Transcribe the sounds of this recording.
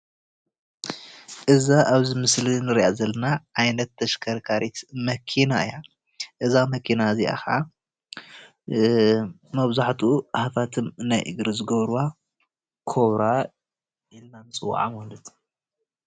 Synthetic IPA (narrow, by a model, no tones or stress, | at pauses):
ʔɨzaʔaβzimɨslinɨɾiazɐlːɐnaʕajnɐt̪ʰːɐʃkʰɐɾkʰaɾit̪mɐkʰinaɨja | ʔɨzamɐkʰinaziʔa̰xaa | mɐβzaħt̪ʰuhafat̪ʰɨmnajʔɨ̰ɡɾɨzɨɡɐβɾuwa | kʰoβɾa | jɛlnanɨt͡sʼɨw̰ːʕa̰malɨt̪